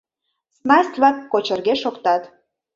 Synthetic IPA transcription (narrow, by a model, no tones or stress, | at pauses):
snɑsʲt̪ʲlɑkːot͡ɕərɣeʃokt̪ɑt̪